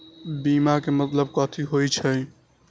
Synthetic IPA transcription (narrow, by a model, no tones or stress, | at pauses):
biːmakemət̪ləb̚kɔːt̪ʰiɦoit͡ʃʰə